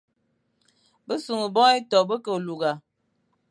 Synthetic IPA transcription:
bə˦su˨ŋə˨bɔ˦ɛ˦tɔ˨bə˦kə˨lu˨ɡa˨

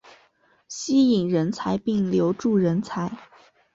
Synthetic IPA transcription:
ɕi˥i˨˩ŋɻə˧˥nt͡sʰa˧˥ɪpi˥˩ŋljo˧˥ʊʈ͡ʂu˥˩ɻə˧˥nt͡sʰa˧˥ɪ

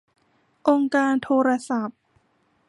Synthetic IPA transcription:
ʔo˧ŋkaː˧nt̪ʰoː˧ɾa˧sa˨˩˦p̚

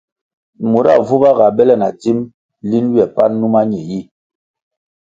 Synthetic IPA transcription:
mo˨ɾa̰˦˨vu˦βa˦ɣa˨bɛ˦lɛ˦˨na˨ti˦m | li˦n˦wjɛ˨pa˦nu˦ma˦ɲɛ˨ji˦˨

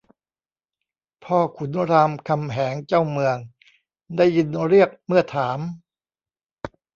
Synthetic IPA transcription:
pʰɔː˥˩kʰu˩˦nɾaː˧mkʰa˧mɦɛː˩˦ŋt͡ɕaː˥˩wmɯ˧əŋ | da˥˩jːi˧nɾi˥˩ək̚mɯ˥˩ɐt̪ʰaː˩˦m

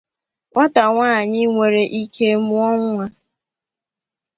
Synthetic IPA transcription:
ŋɔ˦ta˨ŋʷaː˦˨ɲɪ˦ŋʷe˨ɾe˨ʔi˦kʰe˦mu˦ɔ˦ŋʷ˦a˦

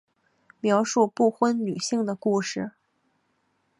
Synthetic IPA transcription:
mjɑ˧˥ʊʂu˥˧pu˥˩xwə˥nny˨˩ɕi˥˩ŋd̪ə˩ku˥˧ʂɻ̩˥˩

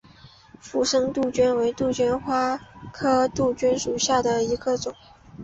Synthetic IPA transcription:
fu˥˩ʂɤ˥ŋt̪u˥˩t͡ɕɛ˥nwe˧˥ɪt̪u˥˩t͡ɕɥɛ˥nxwa˥kʰɤ˥t̪u˥˩t͡ɕy˥nʂu˨˩ɕja˥˩d̪ə˩i˧˥ɡə˧t͡sʊ˨˩˦ŋ

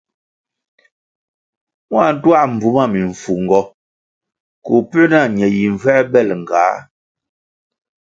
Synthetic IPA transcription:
mwa˦˨n̩˦twa˦˨ʔm̩˨bu˨ma˦˨mi˨ɱ˨fu˨ŋ˨ɡɔ˨ | ko˨pʉ˦na˦˨ɲɛ˨ji˨ɱ˨vɛ˦bɛ˦˨lŋ˨ɡa˨˦

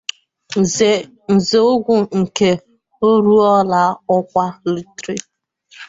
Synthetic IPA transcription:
n̩˨ze˨o˦ɡʷʊ˦ŋ̩˨ke˦ | o˦ɾu˦ɔ˦la˦ɔ˦kʷa˦lu˨tɾi˦

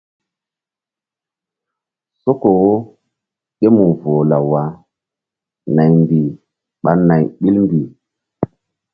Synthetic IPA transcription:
so˦ko˨˦ | ɗe˦mu˨vo˨la˨wa˨˦ | na˨jmbi˨ | ɓa˦na˨jɓi˦lmbi˨

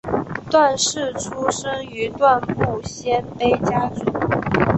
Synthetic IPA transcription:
t̪wa˥˧nʂɻ̩˥˩ʈ͡ʂʰu˥ʂɤ˥ŋy˧˥t̪wa˥˧npu˥˩ɕjɛ˥npe˥ɪt͡ɕja˥ʈ͡ʂu˨˦

